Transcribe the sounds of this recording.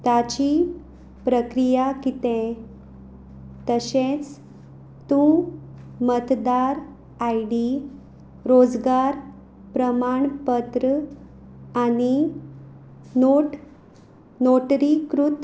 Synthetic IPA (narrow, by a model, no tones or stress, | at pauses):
t̪at͡ɕi | pɾəkɾijakit̪ẽ | t̪əɕẽt͡s | t̪ũ | mət̪d̪aɾ | ajɽi | ɾod͡zɡaɾ | pɾəmaɳpət̪ɾə | ani | noʈ | noʈɾikɾut̪